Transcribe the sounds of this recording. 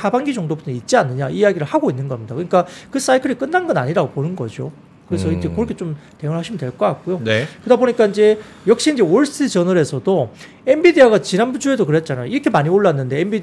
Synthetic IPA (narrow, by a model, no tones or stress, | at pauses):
abaŋɡid͡ʑʌŋdobutʰʌnit̚t͡ɕ͈ianːɯɲaijaɡiɾɯɭhaɡoinːɯnɡʌmɲidakɯɲik͈akɯs͈aikʰɯɾik͈ɯnːanɡʌna̰ɲiɾaɡoponɯnɡʌ̰d͡ʑo̰ | kɯɾe̞s̬ʰʌind͡ʑe̞koɾɯkʰet͡ɕomteɯŋɯɭɦaɕʰimɯndweɭk͈ʌk͈ak͈ojonekɯdaboɲik͈aind͡ʑe̞ | jʌk̚ɕ͈iind͡ʑe̞oɭs͈ɯt͡ɕʌnɯɾe̞sʰʌdo | embidiaɡat͡ɕinanbud͡ʑue̞dokɯɾe̞t̚t͡ɕ͈anajoiɾʌkʰe̞maɲioɭːanːɯnde̞embid